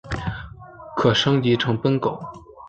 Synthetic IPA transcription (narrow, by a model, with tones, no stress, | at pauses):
kʰɤ˨˩ʂɤ˥ŋt͡ɕi˧˥ʈ͡ʂʰɤ˧˥ŋpə˥nko˨˩˦ʊ